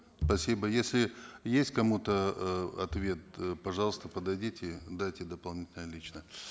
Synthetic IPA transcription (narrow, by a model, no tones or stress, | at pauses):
spɐsʲibəjesʲlʲɪjesʲtʲkɐmut̪əɐt̪vʲe̞t̪̚pɐʐɑlˠəst̪əpəd̪ɐjdʲitʲɪd̪ajtʲɪd̪əpɐlˠnʲitʲɪlnəjəlʲit͡ɕnə